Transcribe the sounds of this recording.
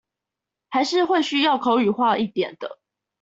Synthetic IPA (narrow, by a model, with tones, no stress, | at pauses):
ha˨˦ɪʂɻ̩˥˨xwe˥˨ɪɕy˥jɑ˥˨ʊkʰo˧˦ʊy˨˩xwa˥˧i˥˩t̪jɛ̰˨˩nd̪̥ə̰˦